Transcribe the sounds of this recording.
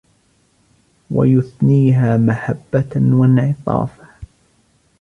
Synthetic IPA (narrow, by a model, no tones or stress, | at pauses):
wa̰jʊθniːɦaːmaħabːawanʕɪt̪ˤɑ̰ːfa